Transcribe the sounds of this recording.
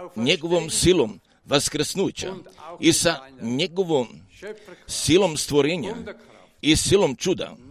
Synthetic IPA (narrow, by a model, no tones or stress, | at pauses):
ɲeɡoʋomsilom | ʋaskɾ̩snujt͡ɕa̰isaɲeɡoʋom | silomst̪ʋoɾeɲa̰ | isilomt͡ʃud̪a̰